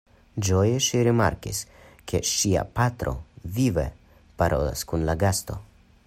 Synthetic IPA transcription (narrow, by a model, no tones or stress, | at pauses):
d͡ʒojeʃiɾima̰ɾkis | kʰḛʃia̰pat̪ɾo̞̰vivḛ | paɾʔo̞̰la̰skunlaɡast̪o̞̰